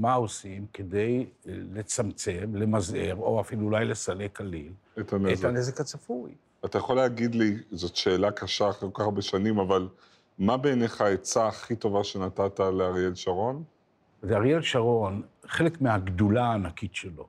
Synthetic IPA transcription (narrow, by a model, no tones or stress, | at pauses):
mao̞simkede̞jle̞t͡samt͡se̞mle̞mazeʁo̞afiluːlajle̞sale̞kalil | et̪anetanezekat͡safuj | at̪ajaχoleaɡid̪lizo̞tʃe̞ːlakʰaʃaːχekokabeʃanimaval | mabeːneχaet͡saːχit̪o̞vaʃe̞nat̪at̪aleaʁjelʃaʁo̞n | zaʁjelʃaʁo̞nχe̞lekmeaɡdulaːnakitʃelo̞